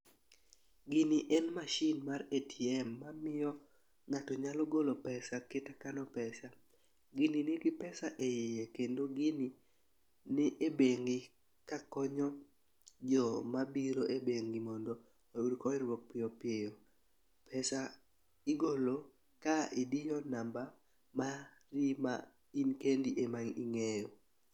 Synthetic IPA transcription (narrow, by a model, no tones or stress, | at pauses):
ɡiniʔɛnmaʃinmaɾetʰiɛmːamɪjɔ | ŋatɔɲalɔɡolopɛsaketakanɔpɛsa | ɡininɪkɪpɛsaʔejejekendoɡini | nɪʔebeŋɡi | kakɔɲɔ | d͡ʒɔmabiɾoʔebeŋɡimɔndɔ | ouɾkɔɪɾwɔk̚pɪjopɪejo | pʰɛsa | ɪɡolo | kaɪdɪjɔnamba | ma | rima̰ | inkendiʔemaŋḭŋejo